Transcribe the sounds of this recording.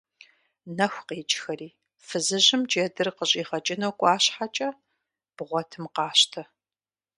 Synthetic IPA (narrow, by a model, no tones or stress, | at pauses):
nɐxʷqeːt͡ʃʼxɐɾiː | fɨzɨʑɪmd͡ʒedɨrqəɕʼiːχɐt͡ʃʼɪnɐwkʷʼɑːɕħat͡ʃʼɐ | b̥ʁʷɔtʰɨmqɑːɕtʰɐ